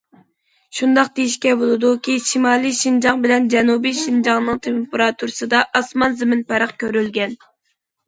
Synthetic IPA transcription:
ʃund̪ɑq̚d̪ejiʃkʲɛbolˠɨd̪ukʲiʃimɑːlˠijʃind͡ʒɑŋbɪlɛnd͡ʒɛnubijʃind͡ʒɑŋnɨŋt̪ʰempeɾɑt̪ʰuɾɨsɨd̪ɑʔɑsmɑnzɪmɪnpæɾəχkʲøɾylɡʲɛn

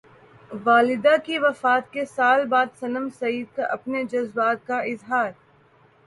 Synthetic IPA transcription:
ʋaːlɪd̪akiʋɐfaːt̪̚kesaːlbaːd̪sɐnəmsɐiːd̪̚kaʔɐpned͡ʒɐzbaːt̪̚kaɪzɦaːɾ

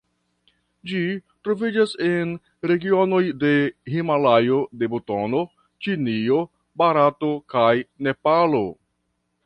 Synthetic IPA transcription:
d͡ʒitɾo̞vid͡ʒase̞n | ɾe̞ɡio̞no̞jde̞himalajo̞de̞buto̞no̞ | t͡ʃinio̞ | baɾato̞kajne̞palo

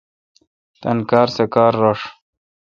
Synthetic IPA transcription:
t̪ɐnkɑːɾsekaːɾːoʂ

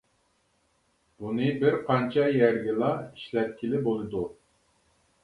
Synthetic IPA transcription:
bunɨbɪɾqʰɑnt͡ʃʰɑjæɾɡʲilˠɑiʃlɛt̪̚kʲʰilɪbolˠɨd̪u

